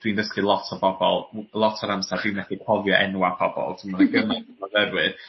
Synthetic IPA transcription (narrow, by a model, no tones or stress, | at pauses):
d̥windəskilˠɔtʰɔbɔbɔ̰lˠlˠɔtʰɔɾamsadwinmɛθikʰɔvjɔʔɛ̰nwapʰɔbɔ̰lˠtʰɪmnaɡəmanɔvɛɾwɨð